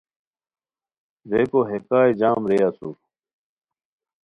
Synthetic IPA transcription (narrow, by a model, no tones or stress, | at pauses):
depoɦekaːjd͡ʑaːmɾejasṵ